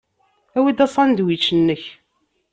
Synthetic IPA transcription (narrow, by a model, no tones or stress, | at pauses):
æwid̪æsˤɑnd̪wit͡ʃːənːəç